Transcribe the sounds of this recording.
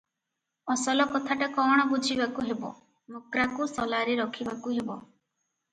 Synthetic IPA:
ɔsɔlɔkɔt̪ʰaʈekɔɽ̃ɔbud͡ʒʱibakuɦebɔ̰ | mukɾakusɔlaɾiɾɔkʰibakuɦebɔ

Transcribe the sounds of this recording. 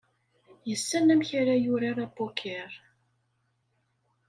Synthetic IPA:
jəsːænæmçaɾajʊɾaɾabokʰɛɾ

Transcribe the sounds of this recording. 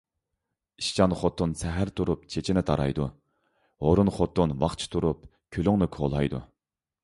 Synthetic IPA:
iʃt͡ʃɑnχot̪ʰːunsɛɦæɾt̪ʰuɾupt͡ʃʰet͡ʃʰinɪt̪ʰɑɾɑ̰jd̪u | hoɾunχot̪ʰːunvɑχt͡ʃʰi̥t̪ʰuɾup | kʲʰølyŋnɨkʰolˠɑjd̪ṵ

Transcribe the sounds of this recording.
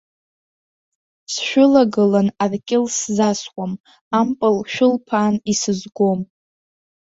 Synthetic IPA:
sʃᶣʊlaɡɨlanarkʲʼɪlszaskʷʼam | ampʼɨlʃᶣʊlpʰaːnisɨzɡʷo̞m

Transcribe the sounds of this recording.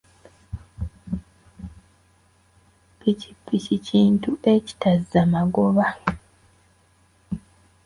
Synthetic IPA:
pici̥pːiciciːntuʔe̞ci̥tazamaɡoβa

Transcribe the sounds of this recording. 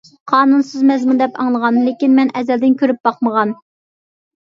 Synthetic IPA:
qʰɑːnunsɨzmɛzmund̪ɛpɑ̰ŋlˠəʁɑnlekʲinmɛnɛzɛld̪ɪnkʲʰøɾyp̚b̥ɑqməʁɑn

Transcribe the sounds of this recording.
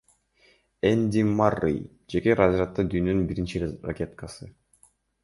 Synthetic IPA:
enʲd̪ʲimarːḭj | d͡ʒe̞keɾazɾat̪ːɑd̪yːnønynbiɾint͡ʃira̰kʲe̞t̪kasɯ

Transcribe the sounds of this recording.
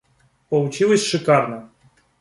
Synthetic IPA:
pəlˠʊt͡ɕilˠəsʲʂɨkarnə

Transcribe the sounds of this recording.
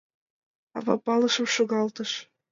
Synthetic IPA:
ɑ̰βɑ̰pɑlɤ̆ʃɤ̆mʃoɣɑlt̪ɤ̆ʃ

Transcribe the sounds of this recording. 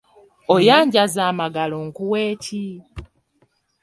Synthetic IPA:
ojaːɲɟazaːmaɡaloŋkuweːcʰi

